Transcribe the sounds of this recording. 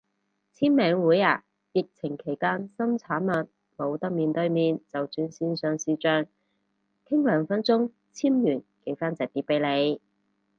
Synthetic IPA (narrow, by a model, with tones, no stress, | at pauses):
t͡sʰiː˥nmɛː˨˧ŋwuː˨˥jaː˨˧˩ | jɪ˨k̚t͡sʰɪ˨˩ŋkʰe˨˩jkaː˥nsɐ˥mt͡sʰaː˨˥nmɐ˨t̚ | mo˨˧wt̪ɐ˥k̚miː˨˧nt̪ɵ˧ɥmiː˨nt͡sɐ˨wt͡syː˧nsiː˥nsœː˨˧ŋsiː˧t͡ʃœː˧ŋ | kʰɪ˥ŋlœː˨˥ŋfɐ˥nt͡sʊ˥ŋ | t͡sʰiː˥mjyː˨˩nke˨˩jfaː˥nt͡sɐ˨˩t̪iː˨˥pːe˨˥jle˨˧j